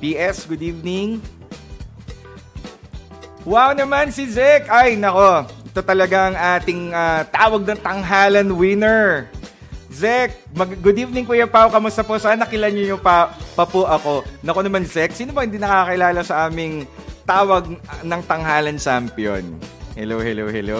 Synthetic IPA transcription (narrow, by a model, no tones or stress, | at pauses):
piʔɛsɡʊd̪iːvnɪŋ | wawnɐmansɪd͡ʒɛkʔajnɐko̞ɛt̪ot̪ɐlɐɡaʔɐŋʔaːt̪ɪŋaːt̪aːwɐɡ̚nɐŋt̪ɐŋɦaːlɐnwɪnɛɹ | zɛk̚mɐɡɡʊd̪ip̚nɪŋpʊjɐpawkɐmʊst̪ɐposɐanːɐkɪlɐɲojʊŋpɐpɐpoʔɐko̞nɐkonɐmand͡ʒɛk̚siːnobɐhɪnd̪iːnɐkaːkɐʔɪlaːlɐsɐʔaːmɪŋt̪aːwɐɡ̚nɐŋt̪ɐŋɦaːlɐnt͡ʃampjo̰nhɛ̰lowhɛlowhɛ̰low